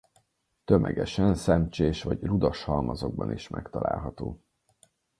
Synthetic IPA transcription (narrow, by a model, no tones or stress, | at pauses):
t̪ømʔɛ̰ɡɛʃɛnsɛmt͡ʃeːʃʋɒɟrud̪ɒʃhɒlmɒzo̞ɡ̚bɒniʃmʔɛkt̪ɒlaːlɦɒt̪oː